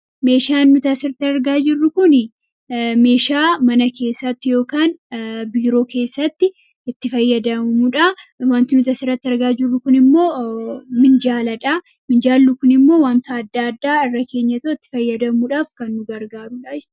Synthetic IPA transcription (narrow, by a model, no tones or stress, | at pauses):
me̞ːʃaːnːʊt̪ɐsɪɾt̪ɪɐɾɡaːd͡ʒɪrːʊkʊnɪ | me̞ːʃaːmɐnɐke̞ːsːɐt̪ːɪjo̞ːkaːnbiːɾo̞ːke̞ːsːɐt̪ːɪ | ɪt̪ːɪfɐjːɐd̪ɐmɐmʊᶑɐwaːnt̪ɪnʊt̪ɐsɪɾɐt̪ːɪɐɾɡaːd͡ʒɪrːʊkʊnɪmːo̞ːmɪnd͡ʒaːlɐᶑamɪnd͡ʒaːlːʊkʊnɪmːo̞ːwaːnt̪aɐd̪ːaːɐd̪ːaːɪrːɐkʰe̞ːɲːɐt̪ɐɪt̪ːɪ̥fɐjːɐd̪ɐmuᶑaːfkɐnːʊɡɐɾɡaːɾʊᶑaːd͡ʒ